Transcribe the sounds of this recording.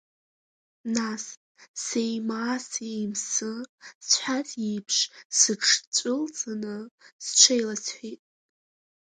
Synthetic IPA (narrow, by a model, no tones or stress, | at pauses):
nas | sejmaːsejmsɨt͡ɕʰʷħat͡sʼipʰʂsɨʈ͡ʂʰt͡ɕʷʼʊlt͡sʼanɨst͡ʃʷʰejlat͡sʰħʷitʼ